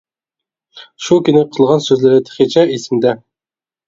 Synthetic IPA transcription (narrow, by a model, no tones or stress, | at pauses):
ʃukʲynɪqʰəlˠʁɑnsøzlɪɾɪt̪ʰɪ̥χet͡ʃʰɛisɪmd̪ɛ